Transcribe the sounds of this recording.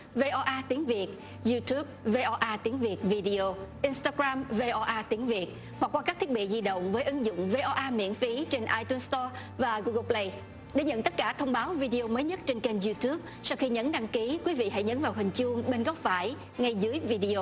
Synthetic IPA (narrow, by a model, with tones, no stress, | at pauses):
ve˧ʔɔ˧ʔaː˧t̪i˨˦əŋvi˨˩ət̚ | zu˧t̪ʰu˦˥p̚ve˧ʔɔ˧ʔaː˧t̪i˨˦əŋvi˨˩ət̚vi˧ɗi˧ʔo˧ʔi˧nst̪aː˧ɣɾaː˧mve˧ʔɔ˧ʔaː˧t̪i˨˦əŋvi˨˩ət̚ | hwa˨˩k̚kwaː˧kaː˦˥kt̪ʰi˦˥ət̚ɓḭ˧˨zi˧ɗə̰˧˨wŋ͡mvəː˨˦jʔɨ˨˦ŋzʊ̰˧˨wŋ͡mve˧ʔɔ˧ʔaː˧mḭ˧˥ənfi˨˦t͡ɕe˧nʔaː˧jt̪u˧nst̪ɔ˧ | vaː˨˩ɣu˧ɣə˧˦ple˧j | ɗḛ˧˩ɲə̰˧˨nt̪ə˦˥t̚kaː˧˩t̪ʰə˧wŋ͡mɓaː˨˦wvi˧ɗi˧o˧məː˨˦jɲə˦˥t̚t͡ɕe˧nke˧nzu˧t̪u˦˥p̚sa˧wxi˧ɲə˨˦nɗa˧ŋki˨˦kwi˨˦vḭ˧˨ɦa̰˧˥˨jɲə˨˦nvaː˨˩wɦï˨˩ŋ̟t͡ɕu˧əŋɓe˧nɣɔ˦˥wp̚faː˧˩j | ŋa˧jzɨ˨˦əjvi˧ɗi˧o˧